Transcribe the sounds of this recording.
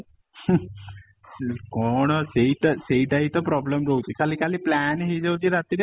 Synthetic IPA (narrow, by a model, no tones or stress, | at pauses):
kɔɳseʈseiʈaɦit̪ɔpɾɔbləmɾəwt̪iːkaliːkaliːplænɦiːd͡ʑewd͡ʑiːɾat̪iɾ